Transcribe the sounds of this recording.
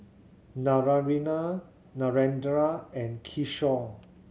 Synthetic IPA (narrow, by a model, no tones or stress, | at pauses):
naɹaɹina | naɹɛ̃ndɹaɛ̃nkʰiʃɔ